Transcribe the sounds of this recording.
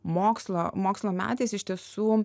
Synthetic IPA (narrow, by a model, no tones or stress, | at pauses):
moːkslˠoːmoːkslˠoːmʲæ̰ːt̪ʲeːsɪʃt̪ʲiɛsuː